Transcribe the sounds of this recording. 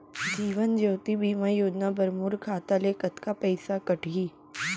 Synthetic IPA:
d͡ʒiːʋənd͡ʒoːt̪ibiːmajoːd͡ʒnabɐɾmuɾkʰaːt̪alekət̪kapɐɪsakɐʈiː

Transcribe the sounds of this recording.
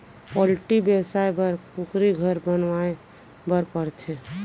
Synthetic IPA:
pɔlʈibjəwsajbəɾukɾiɡʱəɾbənʋae | bəɾpəɾt̪ʰe

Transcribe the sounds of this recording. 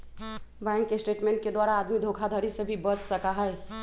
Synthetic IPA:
bɛ̃ŋkːesʈeːʈmẽɳʈ̚ked̪waːɾaːd̪mid̪ʱoːkʰad̪ʱəɾisebʱibət͡ʃsəkaɦɛɛ

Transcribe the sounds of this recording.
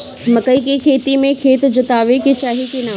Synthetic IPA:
mɐkɐikekʰeːt̪imẽkʰeːt̪d͡ʑʊt̪aːʋeket͡ɕaːɦikenɐ

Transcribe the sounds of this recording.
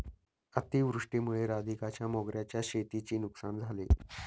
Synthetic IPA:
ət̪iːʋɾuʂʈemuɭeɾad̪ikat͡ɕjamoɡɾjat͡ɕjaɕet̪it͡ɕiːnuksand͡zʱale

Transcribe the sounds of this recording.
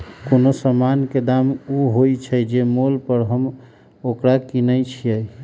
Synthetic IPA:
konosəmanked̪amuɦojt͡ʃʰəjd͡ʒemolpəɾɦəm | okɾakinəjt͡ʃʰijəj

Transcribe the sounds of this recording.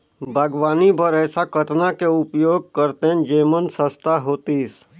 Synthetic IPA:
bʱaɡʋaːnibʱəɾɛːsakət̪nakeʊpjoːɡ̚kəɾt̪ẽd͡ʒeːmənsəst̪ʰaɦoːt̪is

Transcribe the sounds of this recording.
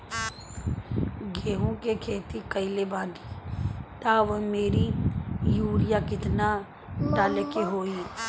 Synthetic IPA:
ɡeːɦõkekʰeːt̪ikəɪlebãːd̪it̪aːʋəmeːɾijuːɾɪjakɪt̪na | ʈaːlekiɦoːi

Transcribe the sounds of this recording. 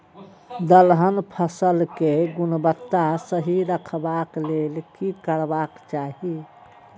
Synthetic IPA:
d̪əlɦənpʰəsəlkeɡunbət̪ːasəɦiɾəkʰbaklelkikəɾbakt͡ʃaɦi

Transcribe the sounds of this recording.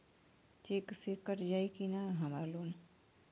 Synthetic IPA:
t͡ʃeːksikəʈd͡ʒaːikinaɦɐmaɾloːn

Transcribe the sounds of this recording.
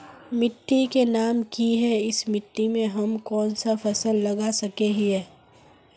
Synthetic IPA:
mɪʈːikenaːmkiɦɛɪsmɪʈːimẽɦɐmkɔːnsafʰɐsəlːɐɡasɐkeɦiɦɛː

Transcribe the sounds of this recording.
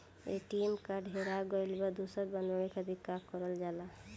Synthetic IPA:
ḛʈimkaɖʱeɾaɡɔjlbad̪usəɾbənənikəd̪ʱikːakɔɾəld͡ʒala

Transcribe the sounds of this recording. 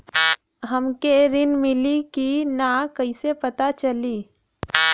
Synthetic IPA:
ɦəmkeɾɪnmɪlikinakəisepət̪at͡ʃəliː

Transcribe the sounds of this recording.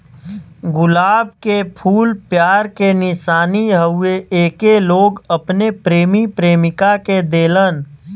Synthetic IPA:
ɡʊlaːb̚kepʰuːlpjaːɾkenɪʃaːniɦəʊeeːkeloːɡəpnepɾeːmipɾeːmɪkaked̪eːlən

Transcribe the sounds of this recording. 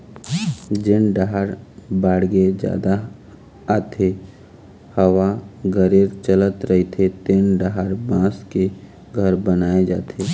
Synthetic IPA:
d͡ʒɪnɖaɦaɾbaːɽɡed͡ʒa̰ːd̪aː | t̪ʰe | həʋaɡəɾeːɾt͡ʃələt̪ɾəɦit̪ʰet̪enɖaɦaɾbãːske | ɡʱəɾbənaːed͡ʒa̰ːt̪ʰeː

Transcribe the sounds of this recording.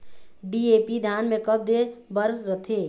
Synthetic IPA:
ɖieːpid̪ʱaːnmẽkəb̚d̪ebəɾɾət̪ʰeː

